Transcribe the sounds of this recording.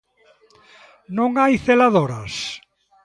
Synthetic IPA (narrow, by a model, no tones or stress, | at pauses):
nõŋajθelaðoɾɐs